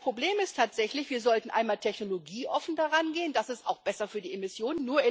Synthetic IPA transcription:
pʁ̥obleːmɪstʰaːtz̥ɛçlɪçv̥iːɐzɔltn̩ʔa̰ɪnmaːltʰɛçnoloɡiːʔɔfn̩daʁanɡeːəndasɪsta̰ʊxb̥ɛsɐfyːɐdiːemɪsjoːnənːuːɐ

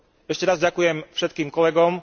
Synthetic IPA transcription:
ɛʃcɛɾazɟakujɛmfʃɛt̪̚kiːmkɔlɛɡɔm

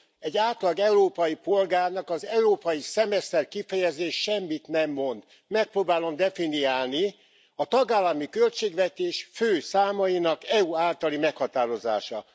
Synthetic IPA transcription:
ɛɟːaːt̪lɒɡɛuɾoːpɒjipo̞lɡaːrnɒkɒzɛuɾoːpɒjisɛmɛst̪ɛrkifɛjɛzeːʃʃɛmːit̪nɛmːo̞nd̪ | mɛk̚proːbaːlo̞md̪ɛfiniaːlni | ɒt̪ɒɡaːlːɒmikølt͡ʃeːɡʋɛt̪eːʃføːsaːmɒjinɒkɛuaːlt̪ɒlimɛkhɒt̪aːɾo̞za̰ːʃɒ

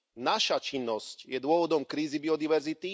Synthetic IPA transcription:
naʃat͡ʃinːɔscjɛd̪ʊɔʋɔd̪ɔmkɾiːzibiɔd̪iʋɛɾzit̪i

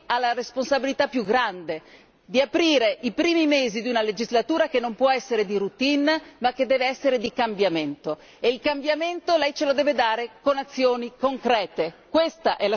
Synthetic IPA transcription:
alːaɾesponsabilit̪apːjuɡɾand̪e | d̪iapɾiːɾeʔipɾiːmimeːzid̪iunaled͡ʒizlat̪uːɾakenːompwɔɛsːeɾed̪iɾut̪inmak̟ːed̪ːɛːveɛsːeɾed̪ikambjament̪o | eilkambjament̪olɛjt͡ʃelod̪ɛːved̪aːɾekonat̪sːjoːnikoŋkɾɛːt̪ekwest̪aʔɛla

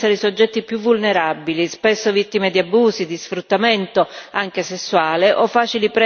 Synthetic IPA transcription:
aɾisod͡ʒːɛt̪ːipjuvːulneɾabilispesːovit̪ːimed̪iabuːsid̪isfɾut̪ːament̪oaŋk̟esesːuaːleʔɔfːaːt͡ʃilipɾɛ

